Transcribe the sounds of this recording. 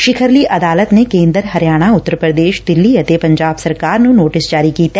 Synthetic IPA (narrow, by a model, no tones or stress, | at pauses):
ʃɪkʰəɾliʔɐd̪aːlət̪nekẽːnd̪əɾɦɐɾjaːɽ̃aʊt̪ːəɾpɾəd̪eːʃd̪ɪlːiɐt̪epɐ̃ɲd͡ʒaːbsɐɾkaːɾnũnoːʈɪsd͡ʒaːɾikiːt̪ɛ